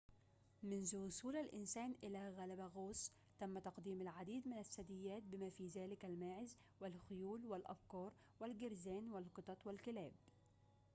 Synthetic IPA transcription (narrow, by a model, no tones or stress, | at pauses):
mɪnzʊwʊsuːlalʔɪnsaːnʔɪlaɣalabɣoːs | t̪amːat̪ɑqd̪iːmalʕad̪iːd̪mɪnasːad̪ɪjːaːt̪̚bɪmaːfiːðaːlɪkalmaːʕɪz | wɪlxʊjuːlwɪlʔɑ̰bkɑːɾˤ | wɪlɡɪɾzaːnwalqɨt̪ˤɑt̪ˤwɪlkɪlaːb